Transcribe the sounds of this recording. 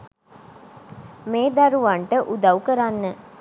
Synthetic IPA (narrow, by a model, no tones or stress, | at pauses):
meːd̪aɾuʋɐɳʈəʔud̪ɐwkəɾanːə